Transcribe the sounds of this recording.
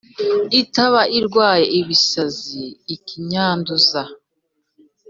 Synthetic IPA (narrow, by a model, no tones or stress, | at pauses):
itaβaʔiɾɡwaːje̞ʔiβisaziːkiɲaːnduza